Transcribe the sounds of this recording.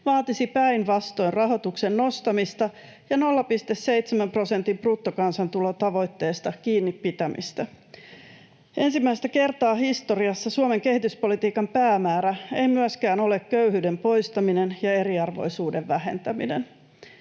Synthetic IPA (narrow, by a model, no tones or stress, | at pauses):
ʋɑːt̪isipæinʋɑst̪o̞inrɑɦo̞t̪ukse̞nːo̞st̪ɑmist̪ɑ | jɑno̞lːɑpist̪esːe̞ijt̪semæmpro̞sent̪imprut̪ːokɑnsɑnt̪ulo̞t̪ɑʋo̞jt̪ːe̞ːst̪ɑkiːnːipːit̪æmḭst̪æ | e̞nsimːæjst̪æke̞rt̪ɑːɦist̪o̞riɑsːɑsuome̞ŋke̞hit̪yspo̞lit̪iːkɑmpæːmæːɾæḛjmyæskæːno̞le̞kkøyhyːde̞mpo̞jst̪ɑminenjɑe̞ɾiɑrʋo̞̰jsuːde̞ʋːæɦe̞̰nt̪æmḭnḛn